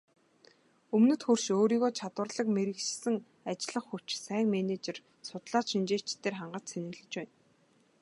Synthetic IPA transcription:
ɵmnɵ̆t̪xurʃoːɾiːɣoːt͡ɕʰat̪wə̆rɮə̆kmeɾɘ̆kt͡ɕsɘ̆ŋ | at͡ɕɪɮə̆χxuw̥t͡ɕsæːŋmenet͡ɕĕr | sʊt̪ɮaːt͡ɕʃint͡ɕeːt͡ɕt̪ːeːrχaɴɢə̆t͡ɕ̪sʰenɘ̆ɣɮɘ̆t͡ɕpæːn

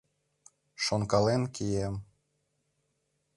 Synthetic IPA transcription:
ʃonkɑlenkʰijem

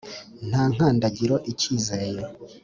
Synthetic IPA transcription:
n̥haːŋ̥aːndaɟiɾo̞ʔiciːzeɾeje

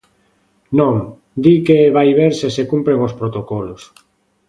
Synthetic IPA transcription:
nõŋ | d̪ikeβajβeɾsesekumpɾeŋospɾot̪okɔlos

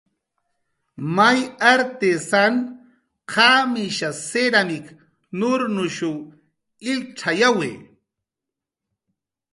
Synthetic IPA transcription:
majaɾt̪esan | qʰamiʃaseɾamɪk | nʊɾnʊʃuw | ɪlʈ͡ʂʰajawḛː

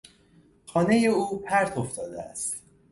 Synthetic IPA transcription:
xɒːne̞je̞uːpʰæɾt̪ʰo̞ft̪ɒːd̪ḛæ̰st̪

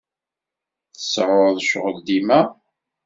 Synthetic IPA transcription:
θəsʕʊɾðˤʃʁəld̪imæ

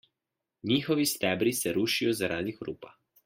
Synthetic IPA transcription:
niːxɔʋist̪ɛːbɾisɛɾuːʃijɔzaɾʔaːd̪ixɾṵːpa

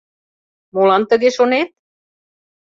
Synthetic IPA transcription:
molɑnt̪ə̆ɣeʃonet̪̚

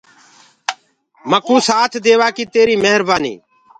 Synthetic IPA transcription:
məkuːsaːt̪ʰd̪eːʋaːkiːt̪eːɾiːməɦəɾbaːnḭː

